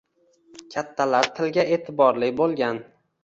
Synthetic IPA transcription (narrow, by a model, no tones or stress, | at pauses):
kʲʰat̪ʰːalaɾt̪ʰɪlɡʲaʔe̞ːt̪ʰɪbɒɾlɪkʲbolˠɡʲan